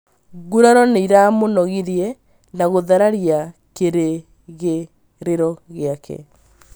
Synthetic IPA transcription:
ɣuɾaɾɔneiɾamonɔɣiɾjɛ | naɣoðaɾaɾjakeɾe | ɣe | ɾeɾɔɣeakʰɛ̰

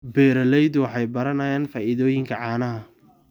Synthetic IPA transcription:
bɛːɾɐlɛjðʊwɑħɑjbɐɾɐnɐːjaːnfaːʔɪðɔːjɪŋkʰɐʕɑːnɐɦɐ

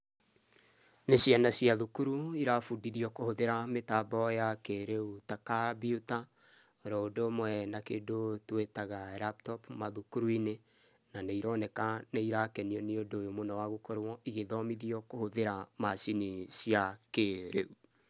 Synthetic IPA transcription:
nesianasiaðukuɾuiɾafudiðiɔkohoðeɾametaːbɔjakeɾeutakabiuta | ɾɔodomwɛnakedotwetaɣaɾap̚tɔpmaðukuɾuine | naneiɾɔːnɛkaneiɾakɛniɔniodojomonawaɣukɔɾɔʔiɣeðɔmiðiɔkohoðeɾamasinisiakeɾeu

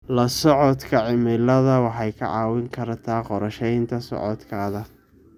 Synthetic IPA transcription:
lɐsɔʕɔd̪kʰɐʕɪmɪlɐðɐwɑħɑjkʰɐ̰ʕɑːwɪŋkʰɐɾɐt̪ʰaːqɔɾɐʃɛjnt̪ʰɐsɔ̰ʕɔ̰d̪kʰaːðɐ

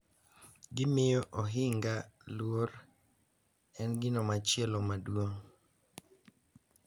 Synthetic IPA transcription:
ɡɪmɪjɔʔɔɦɪŋɡalwor | ɛnɡɪnɔmat͡ʃɪɛlɔmadwoŋ

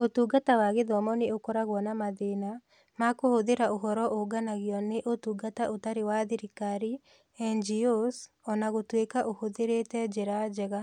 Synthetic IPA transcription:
otuːɡatawaɣeðɔmɔneokɔɾaɣwɔnamaðena | makohoðeɾaʔoɦɔɾɔʔoɡanaɣjɔneʔotuːɡataʔotaɾewaðiɾikaɾi | ɛnd͡ʒios | ɔnaɣotwekaʔohoðeɾeːtɛd͡ʒeɾad͡ʒɛɣa

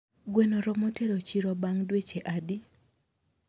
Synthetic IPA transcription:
ɡwenoɾɔmoteɾot͡ʃiɾɔbaŋdwet͡ʃeʔadi

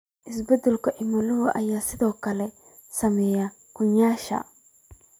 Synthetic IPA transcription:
ʔɪsbɛd̪ʊlkɔʔɪmɐlʊwʔɐ̰jːaːsɪt̪oːkːɐlɛ | sɐmɛjɐ | kʊɲːaːʃa̰

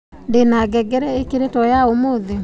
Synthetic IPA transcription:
denaɡɛɡɛɾɛekeɾetɔjaomoðe

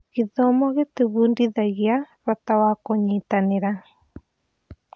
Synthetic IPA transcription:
ɣiðɔmɔɣeteβuːndiðaɣjaɾɔtawakoɲiːtaneɾa

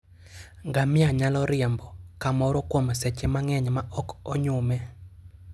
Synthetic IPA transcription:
ŋɡamɪaɲalɔɾɪɛmbɔkamɔɾɔkwomsɛt͡ʃemaŋɛɲmaʔɔkɔɲʊmɛ

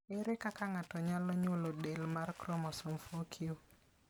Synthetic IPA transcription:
ɪɾɛkakaŋatɔɲalɔɲʊlodelmarkɾɔmɔsomfokʰio

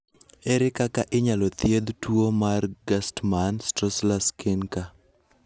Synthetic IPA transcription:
eɾɪkakaʔɪɲalɔt̪jed̪twomarɡastmanstɾɔslaskɪnka

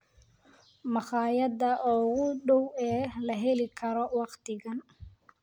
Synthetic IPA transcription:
mɑχɑːjɐd̪ɐʔɔːɣʊɖɔwɛːlɐɦɛlɪkʰɐɾɔwɑqt̪ʰɪɣɐn

